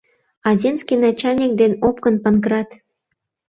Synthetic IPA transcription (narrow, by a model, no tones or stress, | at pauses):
ɑzʲenskʲinɑt͡ɕɑlʲnʲik̚d̪enop̚kənpɑnkrɑt̪